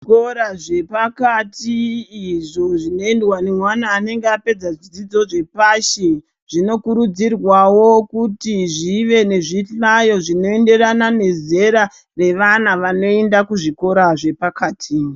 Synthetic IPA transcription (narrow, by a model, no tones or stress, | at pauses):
koɾaʐe̞pakatiːʐo̞ʐino̞endwanemwanaːne̞ŋɡeape̞d͡zaʐid͡zid͡zo̞ʐe̞paʃe | ʐ̥ino̞kuɾud͡zirwawo̞kutiʐiʋe̞ne̞ʐiɬajo̞ʐino̞e̞nde̞ranane̞ze̞ɾa | re̞ʋanaʋano̞e̞ndakuʐiko̞ɾaʐe̞pakaːtʰi